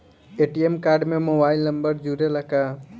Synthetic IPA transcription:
eːʈiemkaːɾɖmẽmoːbaːɪlnə̃mbəɾd͡ʒuɾelɐka

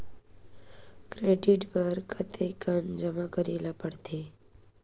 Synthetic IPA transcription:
kɾeɖɪʈʋəɾkʰət̪ʰekənd͡ʒəmakəɾelapəɽt̪ʰe

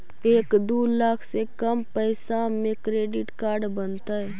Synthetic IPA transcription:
eːkd̪uːlaːkʰsekəmpəɪsamẽkɾeːɖɪʈkaːɾɖbənt̪aɦɛː

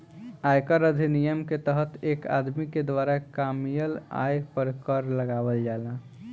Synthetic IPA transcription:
ajkəɾəd̪ʱinijəmket̪əɦət̪eka̰d̪miked̪ʋaɾakamijəla̰jpəɾkəɾləɡabəld͡ʒalã

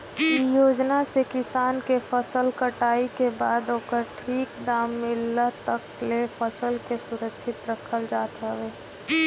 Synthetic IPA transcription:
ijoːd͡ʒnasekɪsaːnkefʰəsəlkəʈaːikebaːd̪oːkəɾʈʰiːkd̪aːmːɪlːat̪əklefəsəlkesʊɾəkʃɪt̪ɾəkʰəld͡ʒaːt̪aweː

